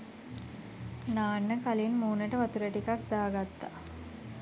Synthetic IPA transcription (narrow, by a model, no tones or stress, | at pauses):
naːnːəkalinmuːnəʈəʋat̪uɾæʈikak̚d̪aːɡat̪ːa